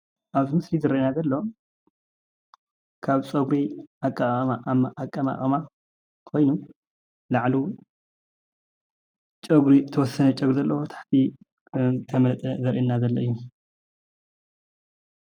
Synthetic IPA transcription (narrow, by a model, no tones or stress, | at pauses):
ʔaβzimɨslizɨɾɐnazɐlːo | kʰaβsʼɐɡɾiakʼːamamaʔakʼːama̰χʼɐma | kʰo̞jnu | laʕlu | t͡ʃʼɐɡɾit̪ʰɐwɔsɐnɐt͡ʃʼɐɡɾuzɐlːɐwot̪ʰḁħt̪ʰi | t̪ʰɐmɐt̪ʼɐzɐɾʔinːazɐlːɐʔɨjːu